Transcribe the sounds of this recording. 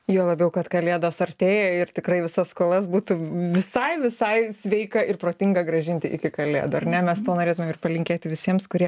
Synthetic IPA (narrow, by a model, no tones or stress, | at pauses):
joːlˠɐbʲɛʊkɐt̪kɐlʲeːd̪oːsɐrʲt̪ʲeːjɛɪrt̪ʲɪkrɐɪʋʲɪsɐskoːlˠɐsbuːt̪uʋʲɪsɐɪʋʲɪsɐɪsʲʋʲɛɪkɐɪrpɾoːt̪ʲɪŋɡɐɡɾɐʒʲɪnʲt̪ʲɪʔɪ̰kʲɪkɐlʲḛːd̪ʊɐɾnʲɛmʲɛst̪oːnoːɾʲeːt̪ʊmʲeːmɪrpɐlʲɪŋʲkʲeːt̪ʲɪʋʲɪsʲiɛmskʊɾʲiɛ